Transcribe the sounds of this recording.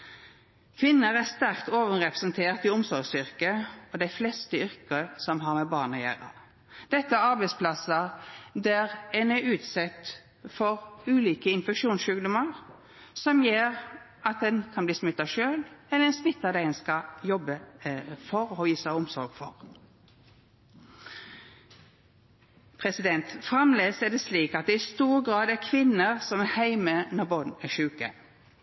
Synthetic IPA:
kʰʋɪnːəɾæst̪æɾkt̪oːʋənʁɛpɾəsɛnt̪ʰeːʁt̪ɪʊmsɔɾsʏɾkəɔd̪æɪflɛst̪əʏɾkəsɔmɦɑɾmɛbɑːʁnɑjæ̰ːɾə̰ | d̪̥ɛt̪ːəæɾɑɾbɛɪspʰlɑsəd̪æʁɛnæʉːt̪sɛt̪ | fɔʁʉːliːkəɪnfɛkʃuːnsʃʉːɡd̪ʊməʁ | sɔmjeːʁ | ɑt̪̚d̪ɛnkʰɑnbliːsmɪt̪ːɑʃøːlɛləɛnsmɪt̪ːɑd̪ɛɛnskɑjɔbəfɔɾoːjiːsæɪʊmsɔ̰ɾɡfɔ̰ʁ | pʰʁɛsɪd̪ɛnt̪fʁɑmleːsæd̪ɛsliːkɑt̪̚d̪ɛɪst̪uːʁɡʁɑːd̪ækʰʋɪnːəʁsɔmɛhæɪmənɔbɔnæʃʉːkə̰

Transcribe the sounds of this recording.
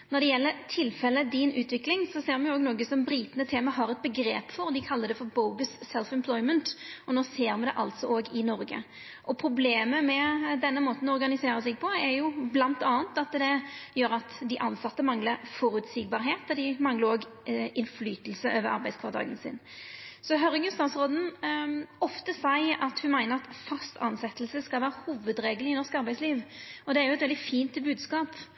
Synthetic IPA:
nɔɾd̪ɛjɛlːəɾt̪ʰɪlfɛlːəd̪ɪnʉːt̪ʰʋɪklɪŋsɔseːɾmɛnjʊoːɡnoːɡəsɔmbɾiːt̪nət̪ʰeːməɦɑɾɛt̪̚bəɡɾḛːpfɔɾd̪ɪkʰɑlːəd̪ɛfɔɾboʊɡəssɛlfɛmpʰlɔɪmənt̪ɔnoːseːɾmɛnd̪ɛʔɑlt̪sɔʔoːɡɪnɔɾɡə̰ | ʔɔpʰɾʊbleːməmɛd̪ɛnːəmoːt̪n̩ɔɔɾɡɑnɪseːɾəsɛɡ̚pʰɔɛɾjʊblɑnt̪ɑːənt̪ɑt̪d̪ɛjøːɾɑt̪d̪ɪʔɑnsɑt̪ːəmɑŋləfɔɾʉt̪siːɡ̚bɑɾɦeːt̪ɔd̪ɪmɑŋləɾoːɡɪnflyːt̪əl̩səʔøːʋəɾɑ̰ɾbæɪskʰʋɑʁt̪ʰɑ̰ːɡənsɪ̰n | sɔɦœɾəɡʉnst̪ɑːʋsʁoːd̪n̩ | ɔft̪əsæɪʔɑt̪hʉmæɪnəɾɑt̪fœst̪ʰɑ̰nsɛt̪ːəlsəskɑlʋæːɾəhuːʋəd̪ɾeːɡəlɪnɔɾskɑɾbæɪsliːʋɔd̪ɛæɾjʊɛt̪ʋɛld̪ɪfiːnt̪bʉːd̪skɑːp

